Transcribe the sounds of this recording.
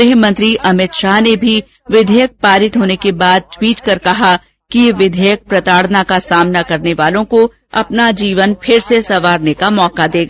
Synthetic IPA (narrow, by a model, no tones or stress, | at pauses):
ɪɦmɐ̃nt̪ɾiʔɐmɪt̪ʃaːɦnebʱi | ʋɪd̪ʱɛːjək̚paːɾɪt̪ɦoːnekebaːd̪̚t̪wiːt͡ʃkɐɾkɐɦa | kijeʋɪd̪ʱɛːjək̚pɾɐt̪aːɽ̤nakasaːmnakɐɾneʋaːlõko | ɐ̰pnad͡ʒiːʋənpʰɪɾsesɐʋaːɾnekamɔːkad̪eːɡaː